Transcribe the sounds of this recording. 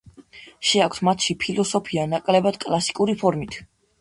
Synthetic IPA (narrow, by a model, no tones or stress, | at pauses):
ʃɛak̚ʰt̪ʰmat̪ʰʃipʰilɔsɔpʰianakʼlɛbad̪̥kʼlˠasi̥kʼuɾipʰɔɾmit̪ʰ